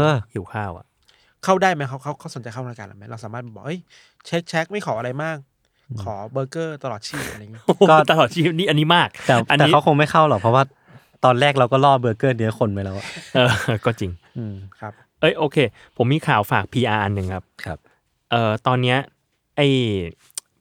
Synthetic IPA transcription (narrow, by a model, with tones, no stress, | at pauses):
ʔɤː˧hi˨˩˦kʰaː˥˩wʔa̰˨˩ʔ | kʰa˥˩wdaː˥˩jma˦˥kʰa˦˥wkʰa˦˥˩wkʰa˥˩so˩˦nt͡ɕa˧jkʰa˥˩˨a˧˩ka˧nʔa̰˨˩ma˦˥ɾa˧wsaː˨˦maː˥˩bɔː˨˩ʔɤ˦˥j | t͡ɕʰe˦˥k̚t͡ɕʰɛ˦˥k̚ma˥˩jxʰɔː˩˦a˧ɾa˧jmaː˥˩k̚ | kʰːɔː˩˦bɤː˧kɤː˥˩t̪a˧lɔː˨˩t̪̚t͡ɕʰiː˥˩p̚ʔɾa˧˨ŋːi˦ʔo˧ɔː˥t̪a˧lɔː˨˩t̪̚t͡ɕʰiː˥˩p̚niː˥˩ʔa˧nːiː˦˥maː˥˩k̚t̪ɛː˨˩a˧nɛː˨i˦˥a˦˥wkʰo˧ŋma˥˩jxʰa˥˩wlɔ˨˩k̚pʰɔ˦˥waː˥˩ | t̪ɔː˧nɾɛː˥˩k̚ɾa˧wkɔː˥˩lɔː˥˩bɤː˧kɤː˥˩nɯ˨˩˦kʰo˧nma˦˥jlɛː˦˧˩wa˨˩ʔɤː˧˩kɔː˥˩t͡ɕi˧ŋ | ʔɯː˧kʰa˦˥p | ʔɤ˦˥˩jʔoː˧kʰeː˧ | pʰo˩˦mːiː˧kʰaː˩˦wfaː˨˩k̚pʰiː˧ʔaː˧ʔa˧nːɯ˨˩ŋkʰa˦˥p̚kʰa˦˥p̚ | ʔɤː˨˩t̪ɔː˧nːi˦˥ɐ | ʔa˥˩j